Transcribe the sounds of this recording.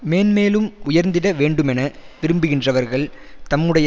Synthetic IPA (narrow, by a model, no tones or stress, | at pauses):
meːnmeːlɯmʊjɐɾnd̪ɪɽɐʋeːɳɖɯmɛnɐʋɪɾɯmbɯɣɪndrɐʋɐɾɣɐɭt̪ɐmːɯɽɐjɐ